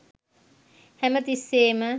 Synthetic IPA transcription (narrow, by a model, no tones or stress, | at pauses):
hɛmət̪iseːmə